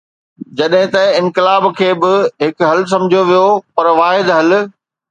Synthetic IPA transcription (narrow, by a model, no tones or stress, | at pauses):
d͡ʑɐɗɦɪ̃t̪ɐɪ̃nkɪlaːbkʰeːbɪɦɪkɦɐls̬ɐ̃md͡ʑʱjoʋijopɐɾʋaːɦɪd̪ɦɐl